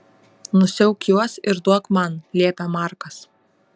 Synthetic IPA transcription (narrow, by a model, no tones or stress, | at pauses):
nʊsʲɛʊkʲjuɔsɪɾd̪uɔkmɐnlʲiɛpʲɛmɑˑɾkɐs